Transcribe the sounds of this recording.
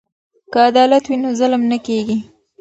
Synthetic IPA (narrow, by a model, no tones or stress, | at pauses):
kəad̪ɑlat̪winozəlmnakeɡi